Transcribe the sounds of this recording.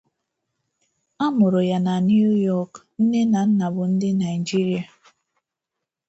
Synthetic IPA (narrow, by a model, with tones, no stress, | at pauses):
a˦mʊ˨ɾʊ˨ja˨na˨n˦u˦jɔ˦kn̩˦ne˦na˨n̩˦na˨bʊ˨n̩˦dɪ˦na˨ɪi˨d͡ʒi˦ɾi˨˦a˨